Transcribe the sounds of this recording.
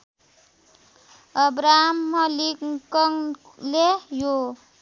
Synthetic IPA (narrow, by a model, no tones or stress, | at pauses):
ʌbɾamːʌlikkːʌŋ | lejo